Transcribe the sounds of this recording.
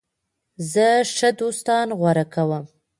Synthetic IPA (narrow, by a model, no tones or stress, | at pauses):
zəʂəd̪ost̪ɑnɣwaɾakawəm